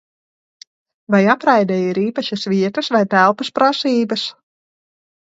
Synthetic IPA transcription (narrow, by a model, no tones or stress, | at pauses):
ʋɛjaprɛjdəiɾiːpəʃəsʋiətəsʋɛjtɛlˠpəsprasiːbəs